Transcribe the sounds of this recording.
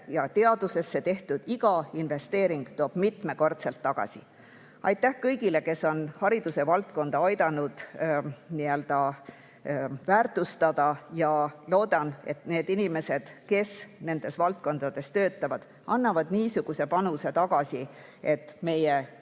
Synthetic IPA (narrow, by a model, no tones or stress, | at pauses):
jɑt̪eɑd̪̥use̞sːe̞t̪e̞ht̪ud̪̥iɡ̥ɑinve̞st̪e̞ːɾiŋɡ̥t̪oːb̥mit̪me̞ko̞rt̪selt̪ːɑɡ̥ɑ̰si | ɑjt̪ːˑæhkɤjɡ̥ile̞ke̞sːo̞nhɑɾid̪̥use̞vɑlt̪̚ko̞nd̪̥ɑɑjd̪ɑnud̪̥ | niøld̪̥ɑ | væːrt̪ˑust̪ɑd̪ɑjɑlo̞ːd̪ɑne̞̰t̪ne̞ːd̪̥inime̞se̞d̪̥ke̞sne̞nd̪̥e̞svɑlt̪̚ko̞nd̪̥ɑd̪e̞st̪ø̞ːt̪ːˑɑvɑd̪̥ | ɑnːɑvɑd̪̥niːsuɡ̥use̞pɑnuse̞t̪ɑɡ̥ɑsi | e̞t̪ːme̞je